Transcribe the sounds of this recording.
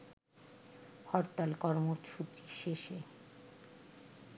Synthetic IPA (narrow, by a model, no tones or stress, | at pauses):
hɔɾt̪alkɔɾmoʃut͡ɕiʃeʃe